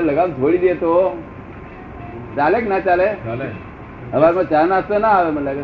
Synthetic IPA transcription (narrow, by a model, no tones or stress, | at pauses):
ləɡamt̪ʰoɽiːd̪et̪o | t͡saleknat͡salel | ɦəʋaɾməɡt͡sanaəst̪ənaɦʋem̤əɳlakə